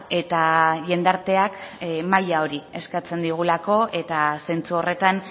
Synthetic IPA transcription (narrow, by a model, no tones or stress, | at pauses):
e̞t̪aʎe̞nd̪aɾt̪e̞akmajao̞ɾie̞skat͡se̞nd̪iɣ̞ulako̞ʔe̞t̪ase̞nt͡suo̞re̞t̪an